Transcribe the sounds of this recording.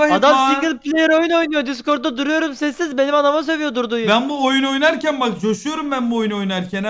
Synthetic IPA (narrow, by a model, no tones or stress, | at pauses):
ad̪amssiɡʲilʲˠplʲejeɾo̞juno̞jnujod̪isko̞ɾt̪̚ːad̪uɾujo̞ɾumsɛsːizbe̞nimanamas̬e̞vijo̞d̪uɾd̪ujbænbuojuno̞jnaɾcænbakd͡ʒoʃujo̞ɾumbænbuojuno̞jnaɾcʰɛn